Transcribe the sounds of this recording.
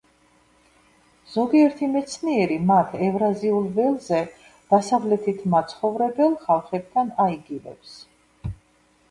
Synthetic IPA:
z̥ɔɡiɛɾt̪ʰimɛt̪sʰniɛɾimat̪ʰɛvɾaziulˠvɛlˠzɛ | d̪̥asavlɛt̪ʰit̪ʰmat̪sʰχɔvɾɛbɛlˠχalˠχɛb̚d̪ʰanaiɡivɛ̰ps

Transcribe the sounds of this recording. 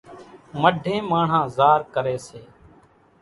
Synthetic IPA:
məɖʱẽːmaːɳ̤ãːzaːɾkəɾeːseː

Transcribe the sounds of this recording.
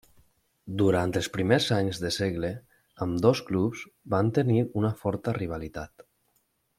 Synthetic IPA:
d̪uɾant̪əlˠspɾimeɾzaɲzðəseɣle | əmd̪ɔsklupz̥bant̪əniunəfɔɾt̪əriβ̞alit̪at̪

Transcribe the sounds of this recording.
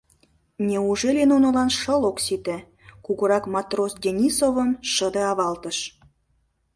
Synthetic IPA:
nʲeuʒelenunə̆lɑnʃəloksit̪ĕ | kuɣɤɾɑkmɑt̪rosd̪ʲenʲisovəmʃəd̪eɑβɑlt̪əʃ

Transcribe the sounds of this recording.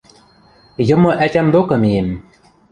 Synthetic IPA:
jɤ̆mɤ̆ʔætʲæmd̪okɤ̆mijem

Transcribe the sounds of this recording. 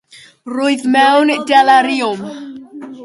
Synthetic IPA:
rʊjðmɛwndalaɾiʊm

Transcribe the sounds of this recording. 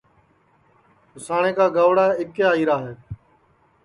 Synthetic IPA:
ʊsaːɳ̃eːkaːɡaːʋɽaːɪkeːaːiːɾaːɦeː

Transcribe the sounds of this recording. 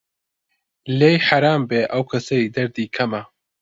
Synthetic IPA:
lejħaɾaːmbeːʔɐwkʰɐsɐjiːd̪ɐɾd̪iːkʰɐmɐ

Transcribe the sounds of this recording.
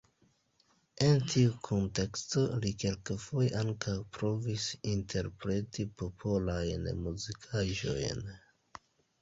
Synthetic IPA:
e̞ntʰiukʰonte̞ksto̞like̞lkafojeʔaŋkawpɾo̞visintʰe̞ɾpɾe̞tipo̞pʰolajnmuzikʰaʒo̞̰jn

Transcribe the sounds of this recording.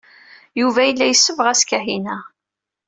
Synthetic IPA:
juvæjəlːæjəsːəvʁæskæhinæ

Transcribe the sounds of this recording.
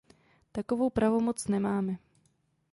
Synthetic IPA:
t̪akovo̞wpɾavomo̞t͡snɛmaːmɛ

